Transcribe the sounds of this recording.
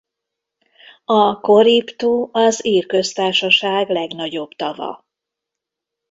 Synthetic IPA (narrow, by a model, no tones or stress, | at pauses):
ɒko̞ɾipt̪uɒziːrkø̞st̪aːrʃɒʃaːɡlɛɡnɒɟo̞bt̪ɒvɒ̰